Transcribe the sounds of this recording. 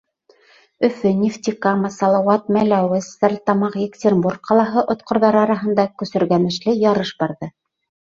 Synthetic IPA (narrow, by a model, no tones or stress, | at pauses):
ɵ̆fɵnʲift̪ʲikɑmɤsɑlˠɑwɑt̪̚mælæwɘsːæɾʲt̪ɑmɑqjʲekt̪ʲerʲmburk̚qɑlˠɑɦɤʔŏt̪qŏɾðɑɾɑɾɑɦɤ̆nd̪ɑkɵ̆sɵ̆ɾɡænɘ̆ʃlɘjɑɾɤʃbɑɾðɤ